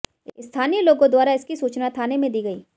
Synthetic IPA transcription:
ɪst̪ʰaːniəloːɡõd̪waːɾaɪskisuːt͡ʃnat̪ʰaːnemẽd̪iːɡɐḭː

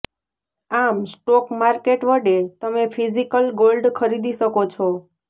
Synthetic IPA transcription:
amsʈɔkmaɾkeʈʋəɖet̪əmepʰizikəlɡolɖkʰəɾid̪iʃəkot͡ʃʰo

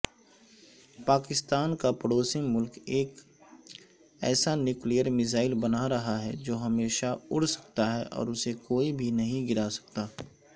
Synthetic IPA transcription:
paːkɪst̪aːnkapɐɽoːsimʊlkeːk | ɛ̰ːsanjuːklijəɾmɪzaːɪlbɐnaɾɐɦaɦɛd͡ʒoːɦɐmeːʃaʊɽsɐ̥k̚t̪aɦɛʔɔ̰ːɾʊsekoːibʱinɐɦĩɡɪɾaːsɐ̥k̚t̪aː

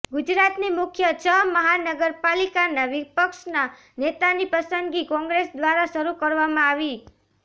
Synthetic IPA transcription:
ɡud͡ʒɾat̪nimʊkʰjət͡ʃʰəməɦanəɡəɾpalikanaʋipəkʃna | net̪anipəsənd̪ɡikɔ̃ŋɡɾesd̪ʋaɾaʃəɾukəɾʋamãaʋi

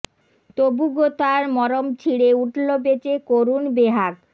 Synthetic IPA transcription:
t̪obuɡot̪aɾmɔɾomt͡ɕʰiɽeuʈlobet͡ɕekoɾunbeɦak

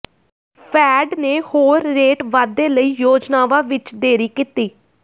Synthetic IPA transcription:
pʰɛːɖneːhoːɾːeːʈʋaːd̪ːeːləiːjoːd͡ʒnaːʋaːʋɪt͡ʃd̪eːɾiːkit̪iː

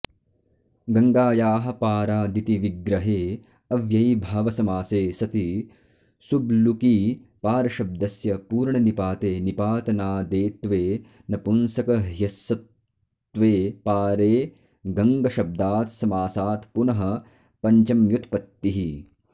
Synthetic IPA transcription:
ɡɐŋɡaːjaːɦɐ̆paːɾaːd̪it̪iʋiɡɾɐɦeː | ɐʋjɐjbʱaːʋɐsɐmaːseːsɐt̪i | sublukiːpaːɾɐʃɐb̚d̪ɐsjɐpuːɾɳɐnipaːt̪eːnipaːt̪ɐnaːd̪eːt̪ʋeː | nɐpunsɐkɐɦjɐsɐt̪ | ʋeːpaːɾeː | ɡɐŋɡɐʃɐb̚d̪aːt̪sɐmaːsaːt̪punɐɦɐ̆ | pɐɲt͡ʃɐmjut̪ʰpɐt̪ːiɦi

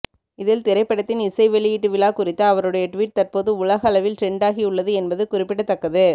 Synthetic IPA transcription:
ɪðɪlt̪ɪɾɐɪpːɐɽɐt̪ːɪnɪsɐɪʋɛɭɪjɪʈːɯʋɪlaːkʊrɪt̪ːɐːʋɐɾɯɽɐjɐʈʋiːʈ̚t̪ɐrpoːðɯʊɭɐɣɐɐlɐʋɪlʈɾɛɳɖaːɣiʊɭːɐðɯɛnbɐðɯkʊrɪpːɪɽɐt̪ːɐkːɐðɯ

